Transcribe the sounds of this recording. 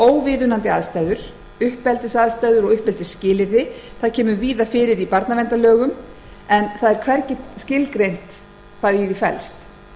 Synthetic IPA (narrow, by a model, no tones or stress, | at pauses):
oːwvɪðʏnant̪ɪaðst̪ajðʏɾ̥ | ʏhpːɛlt̪ɪsaðst̪aːjðʏɾɔɣʏhpɛlt̪ɪscɪːlɪɾðɪθaðcʰɛːmʏviːðafɪːɾɪɾipaɾt̪navɛnt̪alœːɣʏm | ɛnθaðɛɾ̥kʰvɛɾcɪt̪scɪlkɾejn̥t̪ | kʰaðivɪfɛ̰lst̪